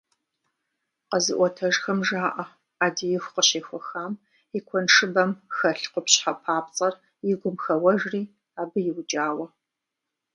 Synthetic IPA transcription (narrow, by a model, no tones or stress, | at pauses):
qəzɨʔʷɔtʰɐʒxɐmʒaːʔɐ | aːdijɪxʷqəɕeːxʷɔxaːm | jɪkʷʰɔnʂɨbɐmxɐɬqʷʊpɕħapʰaːp̚t͡sʼɐr | jɪɡʷʊmxɐwɐʒriː | aːbɨjɪwd͡ʒʼaːwɐ